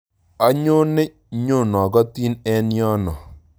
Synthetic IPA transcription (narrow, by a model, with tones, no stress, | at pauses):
a˨˦ɲo˦ne˦ | ɲo˦˨nɔ˨ɡɔ˦ti˦nɛ˦njɔ˦nɔ˨